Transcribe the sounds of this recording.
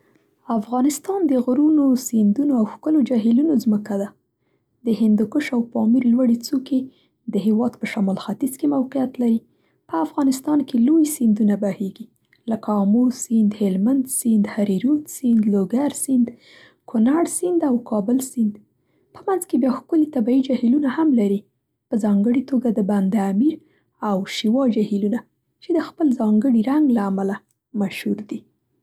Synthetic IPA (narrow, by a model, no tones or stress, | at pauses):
afɣɑnɪst̪ɑnd̪əɣɾunosind̪unoawxkəlod͡ʒɑɦɪlunozməkad̪a | d̪əɦɪnd̪ʊkʊʃawpɑmiɾlwaɽet͡suke | d̪əɦɪwɑd̪pəʃamɑlxat̪izkemawqijat̪laɾi | pəafɣɑnɪst̪ɑnkelojsind̪unabaheɡi | ləkaɑmuɾsind̪hɪlmand̪sind̪haɾiɾut̪sind̪loɡaɾsind̪ | kʰʊnaɽsɪnd̪awkʰɑbəlsɪnd̪ | pəmanzkebjɑxkʊlit̪abaid͡ʒahilunahamlaɾi | pəzɑŋɡəɽit̪oɡad̪əband̪amiɾ | awʃiwɑd͡ʒahiluna | t͡ʃed̪əxpəlzɑŋɡəɽiɾaŋɡlaːmala | maʃhuɾd̪i